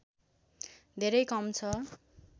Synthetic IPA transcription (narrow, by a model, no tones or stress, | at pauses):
d̪ʱeɾʌjkʌmt͡sʰʌ